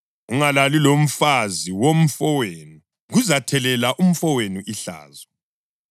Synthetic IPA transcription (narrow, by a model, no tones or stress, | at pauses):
uŋalalilom̩faziwom̩fɔwenu | ɣuzatʰɛlɛlaʔum̩fɔwenuʔiɬa̰ːzɔ